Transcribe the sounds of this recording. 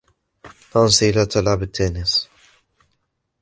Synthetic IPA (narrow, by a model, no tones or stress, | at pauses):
t̪ɑnsilat̪ʰalʕabɪt̪ʰːaːnɪs